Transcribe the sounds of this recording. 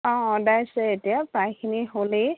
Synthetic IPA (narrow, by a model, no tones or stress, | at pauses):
ɔ̃dajsɛetijapɹãjkʰiniɦole